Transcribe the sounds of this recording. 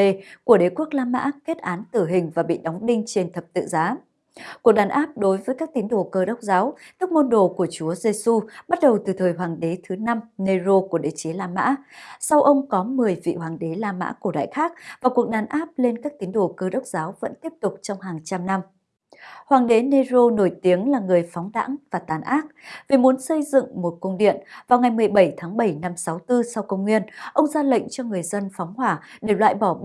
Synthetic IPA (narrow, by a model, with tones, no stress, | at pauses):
e˧˩ku˧˩əɗe˨˦ku˦˥ək̚laː˧mːa̰ː˧˥ke˦˥t̚ʔaː˨˦nt̪ɨ˧˩ɦï˨˩ŋ̟vaː˨˩ɓḭ˧˨ɗa˨˦wŋ͡mɗï˧ŋ̟t͡ɕe˧nt̪ʰə˨˩p̚t̪ɨ̰˧˨zaː˨˦ | ku˨˩ək̚ɗaː˨˩nʔaː˦˥p̚ɗo˨˦jvəː˨˦jkaː˦˥k̚t̪i˨˦ŋɗo˧˩kəː˧ɗə˦˥wk͡p̚zaː˨˦wt̪ɨ˦˥k̚mo˧nɗo˨˩ku˧˩ət͡ɕu˨˦əze˧su˧ɓa˦˥t̚ɗə˨˩wt̪ɨ˨˩t̪ʰəː˨˩jɦwaː˨˩ŋɗe˨˦t̪ʰɨ˨˦na˧mne˧zo˧ku˧˩əɗe˨˦t͡ɕe˨˦laː˧ma̰ː˧˥sa˧wʔə˧wŋ͡mkɔ˨˦mɨ˨˩əjvḭ˧˨ɦwaː˨˩ŋɗe˨˦laː˧ma̰ː˧˥ku˧˩əɗa̰ː˧˨jxaː˦˥k̚vaː˨˩wku˨˩ək̚ɗaː˨˦nʔaː˦˥p̚le˧nkaː˦˥k̚t̪i˨˦əŋɗo˧˩kɨː˧ɗə˦˥wk͡p̚zaː˨˦wvə̰˧˥nt̪i˦˥əp̚t̪ʊ˨˩k͡p̚t͡ɕɔ˧wŋ͡mɦaː˨˩ŋt͡ɕa˧mna˧m | hwaː˨˩ŋɗe˨˦ne˧zo˧no˧˩jt̪i˨˦əŋlaː˨˩ŋɨ˨˩əjfɔ˨˦wŋ͡mɗa̰ː˧˥ŋvaː˨˩t̪aː˨˩nʔaː˦˥k̚vi˨˩mu˨˦ənsə˧jzɨ̰˧˨ŋmo˨˩t̚kə˧wŋ͡mɗḭ˧˨ənvaː˨˩wŋa˨˩jmɨ˨˩əjɓə˧˩jt̪ʰaː˨˦ŋɓə˧˩jna˧msa˨˦wt̪ɨ˧sa˧wkə˧wŋ͡mŋwi˧ənʔə˧wŋ͡mzaː˧lə̰˧˨ŋ̟t͡ɕɔ˧ŋɨ˨˩əjzə˧nfɔ˨˦wŋ͡mhwaː˧˩ɗe˧˩lwa̰ː˧˨jɓɔ˧˩